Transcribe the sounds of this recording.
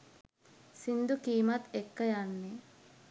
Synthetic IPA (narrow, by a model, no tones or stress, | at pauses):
sind̪ukiːmat̪ekːəjanːe